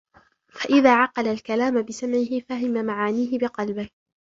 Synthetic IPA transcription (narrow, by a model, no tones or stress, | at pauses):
faʔɪðaːʕɑqɑlalkalaːmabɪsamʕɪhɪfaɦɪmamaʕaːniːɦɪbɪqɑlbɪh